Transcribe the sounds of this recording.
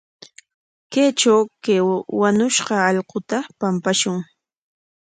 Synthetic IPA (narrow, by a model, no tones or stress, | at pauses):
keːt͡ʃawkewaɲʊʃɢɑɑʎqʊt̪apampaʃʊŋ